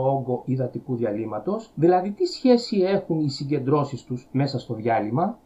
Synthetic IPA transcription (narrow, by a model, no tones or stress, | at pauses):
oŋɡo̞ʔiðɐt̪ikuðiɐlimɐt̪o̞sðilɐðit̪isçe̞sie̞xunisiɲɟe̞nd̪ɾo̞sist̪uzme̞sɐst̪o̞ðʝɐlimɐ